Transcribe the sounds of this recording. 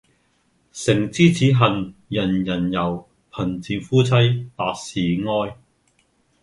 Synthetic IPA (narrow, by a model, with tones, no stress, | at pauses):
sɪ˨˩ŋt͡siː˥t͡sʰiː˨˥ɦɐ˨˩njɐ˨˩njɐ˨˩njɐ˨˩w | pʰɐ˨˩nt͡siː˨˧fuː˥t͡sʰɐ˥jpaː˧k̚siː˨ŋɔː˥j